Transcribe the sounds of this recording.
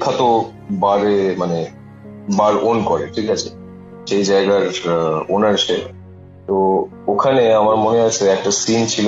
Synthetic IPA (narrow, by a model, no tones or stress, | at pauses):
kʰːat̪o | baɾemane | baɾʔonkɔɾeʈʰikat͡ɕʰe̥ | ʃejd͡ʑaeɡaɾonaɾʃe | t̪o | okʰaneamaɾmoneat͡ɕʰeɛk̚ʈasint͡ɕʰilo